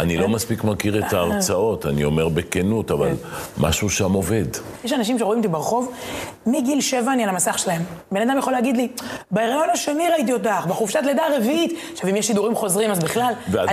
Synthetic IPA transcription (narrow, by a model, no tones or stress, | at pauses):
ʔanilo̞maspikmakiʁet̪aːʁt͡sao̞tanio̞meʁbekenutava̰lma̰ʃuʃamo̞ve̞d̪jeʃanaʃ̬imʃ̬eʁo̞imt̪̬ibeʁχo̞vmiɡilʃe̞vaːnialamasaχʃelahembe̞nad̪amjaχo̞leːɡid̪libeeʁajo̞naʃeniʁait̬iot̬aχbeχufʃat̬ledaːʁe̞viit̪ | ʃavimjeʃːid̪uʁimχo̞zʁimazbiχlalvea